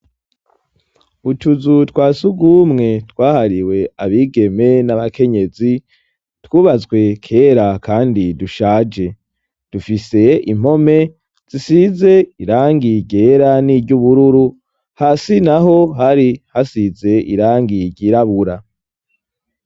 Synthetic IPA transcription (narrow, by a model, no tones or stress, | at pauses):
utuzutwaːsuɡumŋe̞twaːhaɾiwe̞aβiːɡe̞me̞naβakʰe̞ɲe̞zi | twuːβazɡwe̞kʰe̞ːɾakʰaːndiduʃaːd͡ʒe̞ | d̥ufise̞ḭm̥o̞me̞ | z̥isize̞iɾaːŋɡiɟe̞ːɾaniɟuβuɾuɾu | hasinaɦo̞ɦaɾihasize̞ʔḭɾaːŋɡiɟiɾaβuɾa